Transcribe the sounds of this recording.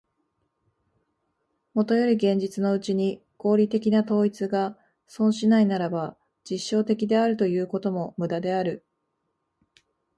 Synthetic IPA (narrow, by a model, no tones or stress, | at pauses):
mo̞t̪o̞jo̞ɾʲiɡẽ̞ɲ̟d͡ʑit͡sɨno̞ɯ̟t͡ɕiɲ̟i | ko̞ːɾʲit̪e̞kʲinat̪o̞ːit͡sɨɡa | sõ̞ɰ̃ɕinainaɾaba | d͡ʑiɕːo̞ːt̪e̞kʲid̪e̞aɾɯ̟t̪o̞jɯ̟ːko̞t̪o̞mo̞mɯ̟d̪ad̪e̞aɾɯ̟